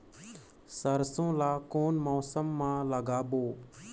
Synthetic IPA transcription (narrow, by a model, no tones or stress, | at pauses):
səɾsõːlaːkoːnmɔːsəmːãːləɡaːɓoː